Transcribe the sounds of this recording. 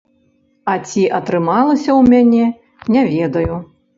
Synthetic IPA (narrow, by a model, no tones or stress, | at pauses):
ɐt͡sʲiʔɐt̪ɾɨmalˠɐsʲɐwmʲanʲɛ | nʲavʲɛd̪ɐju